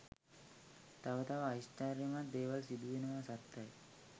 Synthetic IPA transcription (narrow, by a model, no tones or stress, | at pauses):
t̪ɐʋɐt̪ɐʋɐɐisʈaːɾjɐmand̪eːʋɐlsid̪uʋinɐmasɐt̪ːɐj